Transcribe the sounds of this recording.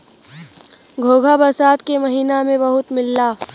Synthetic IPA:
ɡʱoːɡʱabɐɾsaːd̪kemɐɦiːnamẽbɐɦʊt̪mɪlːaː

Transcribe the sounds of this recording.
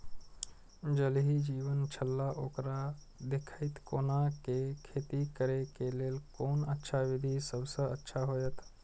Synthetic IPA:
d͡ʒəlɦid͡ʒiːʋənt͡ʃʰəlːaʔoːkɾa | d̪ekʰəɪt̪koːnakekʰeːt̪ikəɾekeleːlkoːnətːʃʰaʋɪd̪ʱisəbsəə̰tːʃʰaɦoːjət̪

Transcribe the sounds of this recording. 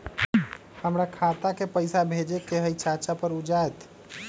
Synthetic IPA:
həmɾakʰat̪akepəjsabʱed͡ʒekeɦəjt͡ʃat͡ʃapəɾud͡ʒajt̪

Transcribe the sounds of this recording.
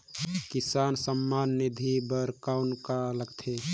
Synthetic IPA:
kisaːnsəmːanːid̪ʱibəɾkaʊnkaləɡt̪ʰe

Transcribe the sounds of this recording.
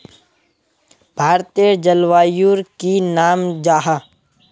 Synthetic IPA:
bʱaːɾt̪iəd͡ʒəlʋaːjuɾkinaːmd͡ʒaːɦa

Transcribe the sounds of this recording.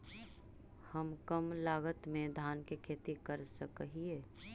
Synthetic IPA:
həmkəmlaːɡət̪mẽd̪ʱaːnkekʰeːt̪ikəɾsəkəɦieː

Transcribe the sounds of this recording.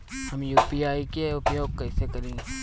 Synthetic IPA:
hɐmjuːpiaːikeʊpjoːɡ̚kɐːsekɐɾẽː

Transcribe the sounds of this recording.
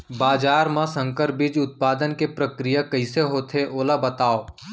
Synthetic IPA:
baːd͡ʒaːɾmãsə̃ŋkəɾbɪd͡ʒʊt̪̚paːd̪ənkepɾɐkɾɪjakɐɪseɦoːt̪ʰeʔoːlabɐt̪aːoː

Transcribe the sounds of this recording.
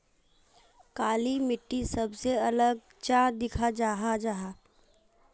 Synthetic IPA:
kaːlimɪʈːisɐbseɐləɡ̚ | t͡ʃãd̪ɪkʰad͡ʒaːɦad͡ʒaɦaː

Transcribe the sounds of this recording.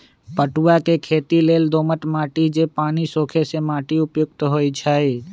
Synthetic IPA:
pəʈuwakekʰeːt̪ileːld̪oːməʈ̪maːʈid͡ʒepaːnisoːkʰesemaːʈiʊpjʊɡ̚t̪ɦoːit͡ʃʰaːi

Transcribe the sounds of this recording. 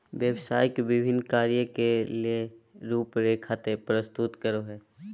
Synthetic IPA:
ʋjəwsaːjkʋɪbʱɪnːkaːɾijəkelieɾuːpɾeːkʰaːt̪epɾəst̪ʊt̪kəɾoɦɛː

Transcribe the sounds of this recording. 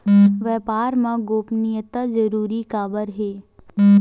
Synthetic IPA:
ʋɛːpaːɾmãɡoːpnɪjət̪ad͡ʒəɾuːɾikaːbəɾɦeː

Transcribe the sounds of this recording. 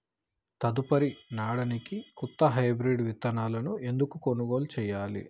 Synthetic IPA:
t̪ɐd̪upɐɾinaːɽɐnikikut̪ːɐɦɐjbɾiɖʋit̪ːɐnaːlɐnue̞nd̪ukukonuɡoːlut͡ʃɛːjaːlḭ

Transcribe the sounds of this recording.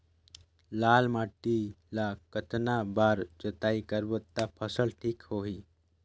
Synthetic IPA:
lalmaʈi | lakət̪nabaːɾd͡ʒət̪aikəɾbət̪ːapʰəsəɭʈʰiːkhoɦiː

